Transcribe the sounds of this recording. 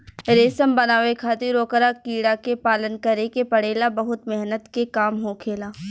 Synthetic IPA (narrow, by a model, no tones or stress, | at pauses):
ɾeːsəmbɐnaːʋekʰaːt̪iɾoːkəɾakiːɽakepaːlənkɐɾekepɐɽeːlabɐɦʊt̪mɛɦnət̪kekaːmɦoːkʰeːlaː